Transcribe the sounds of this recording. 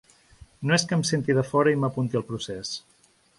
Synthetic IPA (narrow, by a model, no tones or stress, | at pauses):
noeskəmsent̪iðəfɔɾəiməpunt̪iəlˠpɾuses